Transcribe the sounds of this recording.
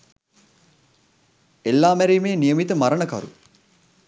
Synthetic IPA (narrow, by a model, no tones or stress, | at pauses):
elːaːmæɾiːmeːnijəmit̪əmaɾəɳəka̰ɾṵ